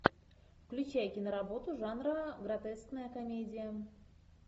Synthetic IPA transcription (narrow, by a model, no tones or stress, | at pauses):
fklʲʉt͡ɕæjkʲɪnəɾabo̞t̪ʊʐɑnrəɡrat̪ɛsknəjəkɐmʲedʲɪjə